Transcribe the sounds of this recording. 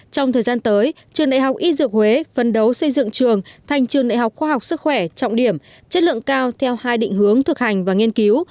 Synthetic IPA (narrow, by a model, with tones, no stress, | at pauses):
t͡ɕɔ˧wŋ͡mt̪ʰəː˨˩jzaː˧nt̪əː˨˦j | t͡ɕɨ˨˩əŋɗa̰ː˧˨jɦa˨˩wk͡p̚ʔi˦˧˥zɨ˨˩ək̚hwe˨˦fə˨˩nɗə˨˦wsə˧jzɨ̰˧˨ŋt͡ɕɨ˨˩əŋt̪ʰa˨˩jŋ̟t͡ɕɨ˨˩əŋɗa̰ː˧˨jɦa˨˩wk͡p̚xwaː˧ɦa˨˩wk͡p̚sɨ˦˥k̚xwɛ˧˩t͡ɕɔ̰˧˨wŋ͡mɗi˧˩əm | t͡ɕə˦˥t̚lɨ̰˧˨əŋkaː˧wt̪ʰɛ˧whaː˧jɗḭ˧˨ŋ̟hɨ˨˦əŋt̪ʰɨ˨˩k̚ha˨˩jŋ̟vaː˨˩ŋi˧ənki˨˦w